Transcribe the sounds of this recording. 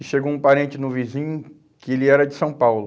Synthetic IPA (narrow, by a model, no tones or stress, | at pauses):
ɪʃeɡoũpaɾẽnt͡ʃɪnʊvizĩɲʊ | kɪelɪɛɾɐd͡ʒɪsɐ̃w̃pawlʊ